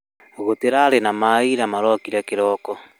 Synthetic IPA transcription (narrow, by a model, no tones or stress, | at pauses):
ɣoteɾaɾenamaiɾamaɾɔkiɾɛkeɾɔːkɔ